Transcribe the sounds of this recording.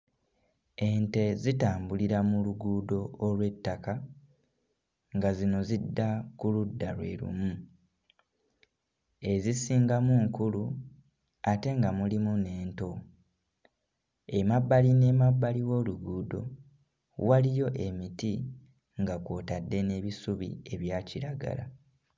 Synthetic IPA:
e̞nte̞zitaːmbuliɾamuluɡuːdo̞ːlwe̞tːaka | ŋɡazino̞zidːakuludːalwe̞̰ɾṵmu | e̞zisiːŋɡamuŋkulu | ate̞ŋɡamulimune̞ːnto̞ | e̞mabːaline̞mabːaliwo̞ːluɡuːdo̞ | walijo̞ʔe̞miti | ŋɡakwo̞ːtadːe̞ne̞ːβisuβḭe̞βjaːciɾaɡa̰la̰

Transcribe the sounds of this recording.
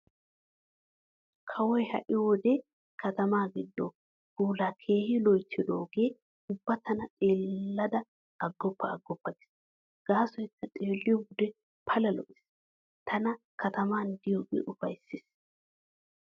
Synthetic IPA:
kʰɐwɔjhɐ̰ʔɪwɔd̪ɛ | kʰɐt̪ɐmaːɡɪd̪ːɔ | ɡuːlakʰeːhɪlɔjt̪ːɪd̪oːɡe̞ː | ʊbːɐt̪ɐnɐt̪ʼeːlːɐd̪ɐː | ɡːɔpːɐːɡːɔpːɐɡɪ̥s | ɡ̥aːsɔjt͡sːɐt̪ʼeːlːɪjɔbʊd̪ɛ | pʰɐlɐlɔ̰ʔɪs | t̪ʰɐnɐ | kʰɐt̪ɐmaːnd̪ɪjoːɡḛːʔʊfɐjsːɪs

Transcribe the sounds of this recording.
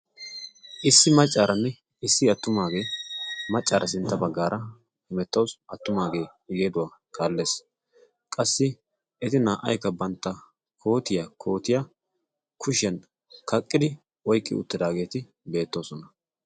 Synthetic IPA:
ʔɪsːɪmɐt͡ʃʼːaːɾɐnːɛ | ɪsːɪɐt̪ːʊmaːɡe̞ːmɐt͡ʃʼːaːɾʔɐsɪnt̪ːɐbɐɡːaːɾʔɐ | hɪmɛt̪ːɐwsɐt̪ːʊmaːɡe̞ː | ɪɡeːd̪ʊwaːkʰaːlːe̞ːs | kʼɐsːɪ | ʔɛt̪ɪnaːʔɐ̰jkːɐbɐnt̪ːɐ | kʰo̞ːt̪ɪjakʰo̞ːt̪ɪja | kʰʊʃɛn | kɐkʼːɪd̪ɪ | ɔjkʼːɪ̰ʊ̰t̪ːɪd̪aːɡe̞ːt̪ɪ | be̞ːt̪ːo̞ːsɔnɐ

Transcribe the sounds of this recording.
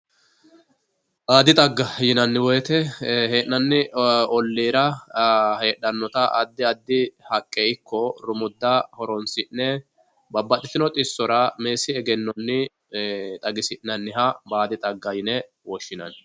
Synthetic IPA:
ʔaːd̪ɪt̪ʼɐɡːɐjɪnɐnːɪwɔjɛt̪ɛheːʔːɐnːɪɔlːiːɾɐ | heːɗɐnːɔt̪ɐʔɐd̪ːɪɐd̪ːɪhɐkʼːeɪkːɔɾʊmʊd̪ːɐhɔɾɔnsɪnːɛ | bɐbːɐt̪ʼɪt̪ɪnɔt̪ʼɪsːɔɾɐme̞ːsɪɛɡɛnːɔnːɪ | t̪ʼɐɡɪsɪnnːɐnːɪɦɐbaːd̪ɪt̪ʼɐɡːɐjɪnɛ | wɔʃːɪnɐ̰n

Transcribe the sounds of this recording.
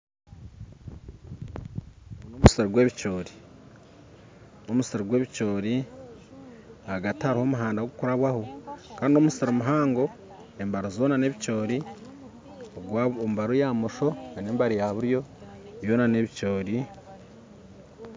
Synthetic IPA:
nomuseɾoɡwe̞ːβit͡ʃo̞ːɾi | omusiɾoɡwe̞ːβit͡ʃo̞ːɾi | aɡathaɾiho̞ːmuɦaːndaoɡukuɾaβwahokaːndio̞musiɾomuɦaːŋɡo̞ | embaɾozo̞ːnane̞ːβico̞ːɾi | oɡwaomubaɾojamoʃo̞eneːmbaɾijaβuɾjo̞βjo̞ːnane̞βico̞ːɾi

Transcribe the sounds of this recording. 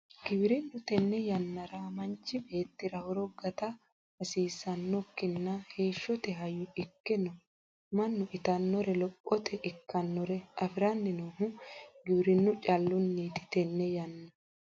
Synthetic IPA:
ɡ̥ɪbɪɾɪnːʊt̪ɛnːɛjɐnːɐɾɐmɐnt͡ʃːɪbe̞ːt̪ːɪɾɐhɔɾɔɡɐt̪ɐ | ɐsiːsɐnːɔkːɪnːɐhe̞ːʃːɔt̪ɛɦɐjːʊɪkːɪnɔ | mɐnːʊʔɪt̪ɐnːɔɾɛlɔpʼːɔt̪ʰɛʔɪkːɐnːɔɾɛɐfɪɾɐnːɪnoːhʊɡɪbɪɾɪnːʊt͡ʃʼɐlːʊnːiːt̪ɪ̥t̪ɛnːɛjɐnːɐ

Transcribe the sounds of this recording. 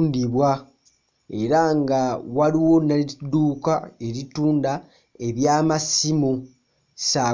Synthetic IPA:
ndiβwa | e̞ɾaŋɡawaɾiwo̞nːaliduːkae̞ɾituːnda | e̞βjaːmasimu | sa

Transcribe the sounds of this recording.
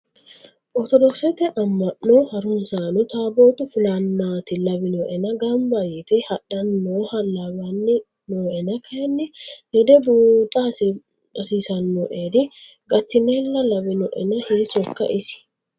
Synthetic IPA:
ʔɔɾt̪ɔd̪ɔksɛt̪ɛʔɐmːɐʔoːhɐɾʊmsaːnʊt̪aːboːt̪ʊfʊlɐnːaːt̪ɪlɐbɪnoːʔɛnɐɡɐmbajɛt̪ɪhɐɗɐnːoːhɐlːabɐnːɪ | noːʔɛnɐkʰɐjɐnːɛnɪd̪ɛbuːt̪ʼːɐ | ɐsiːsɐnːoʔeːd̪ɪɡɐt̪ːɪneːlːɐlɐbɪnɔʔɛ̰nɐheːsɔkːɐ̰ʔɪsɪ̥

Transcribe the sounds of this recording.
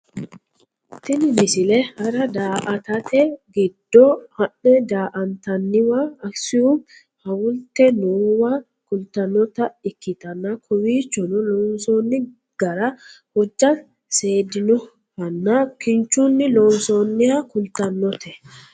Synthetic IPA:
t̪ɪnɪmɪsɪlɛhɐɾɐd̪aːʔɐt̪ɐt̪ɛɡɪd̪̥ːɔhɐnːɛd̪aːʔɐnt̪ɐnːɪwaɐksɪjum | hɐwʊlt̪ɛnuwa | kʊlt̪ɐnːɔt̪ɐɪkːɪt̪ɐnːɐkʰʊwiːt͡ʃːɔnʊlɔnsonːɪ | ɡ̥ɐɾɐ | hɔd͡ʒːɐ | seːd̪ɪnɔ | ɾɐnːɐkɪnt͡ʃːunːɪlɔːnsonːɪjakʊlt̪ɐnːɔt̪ʰɛ

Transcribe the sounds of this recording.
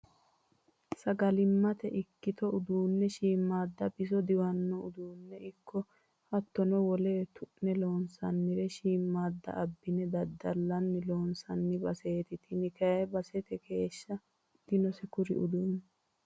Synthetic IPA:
sɐɡɐlɪmːɐt̪ɛʔɪkːɪt̪ɔʊd̪uːnːɛʃiːmːaːd̪ːɐbɪsɔd̪ɪwɐnːɔʊd̪uːnːɛɪkːɔ | hɐt̪ːɔnɔwɔleːt̪ʊʔnɛlo̞ːnsɐnːɪɾɛʃiːmːaːd̪ːɐ̰ʔɐbːɪnɛd̪ɐd̪ːɐlːɐnːɪlo̞ːnsɐnːɪbɐseːt̪ɪt̪ʰɪnɪkɐɛbɐsɛt̪ɛkʰe̞ːʃːɐ | d̪̥ɪnɔsɛkʊɾɪ̰ʔʊd̪uːnː

